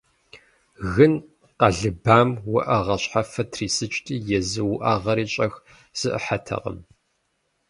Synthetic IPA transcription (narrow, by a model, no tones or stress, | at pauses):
ɣɨn | qɐɮɨbaːmwɐʔɐʁɐɕħafɐtʰriːsɨt͡ʃʼtʼiːjɛzɨwʊʔaːʁɐɾiːt͡ʃʼɐx | z̥ɨʔə̰ħatʰɐ̰qə̰m